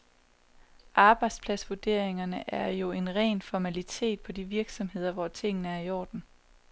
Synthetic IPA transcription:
ʔɑ̈ːb̥ɑ̈ɪd̥spʰlædsʋuɐd̥e̝ɐ̰e̝ŋɐnəʔæɐjo̝e̝nʁɛ̰ːnfɒmælit͡sʰe̝̰ːd̥̚pʰɒ̽d̥iʋiɐɡ̥sɒ̽mɦe̝ð̞̰ˠɐʋɒt͡sʰe̝ŋ̰nəæɐiɒ̰ːd̥n̩

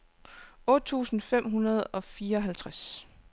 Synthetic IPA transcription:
ɔ̽ːd̥̚t͡sʰṵːsn̩fem̰ɦunɐð̞ˠɒ̽fiːɐɒ̽ɦælt͡sʰʁas

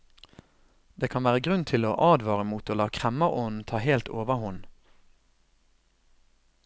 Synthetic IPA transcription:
d̪̥eːkʰɑnʋæːʁəɡʁʉnt̪ʰɪloːʔɑːd̪ʋɑːʁəmuːt̪oːlɑːkʰʁɛməʁɔnn̩t̪ʰɑːheːlt̪o̰ːʋəʁhʊn

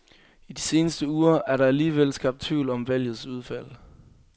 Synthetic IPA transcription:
id̥ise̝ːnəsd̥əuːɐæɐɾ̥ɑ̈æliːʋel̰sɡ̥ɑ̈b̥̚t͡sʰʋḭːlɒ̽mʋæl̰jð̩ˠsuðˠfæl̰

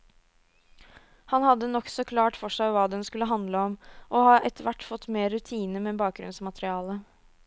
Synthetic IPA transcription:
hɑnhɑd̪ːənɔksɔkʰlɑːʈfɔʂæɪʋɑːd̪ɛnskʉlːəɦɑnd̪ləɔmʔɔhɑːʔɛt̪əʋæʈːfɔt̪ːmeːɾːʉt̪ʰiːnəmɛbɑːk̚ɡɾʉ̰nsmɑt̪ɾɪɑːlə

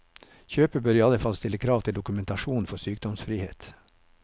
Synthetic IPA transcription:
çøːpəbøːɾiːɑləfɑlst̪ɪləkʰɾɑːʋt̪ʰɪld̪ʊkʉmɛnt̪ɑʃuːn̩fɔsyːk̚d̪ɔmsfɾiːhḛːt̪

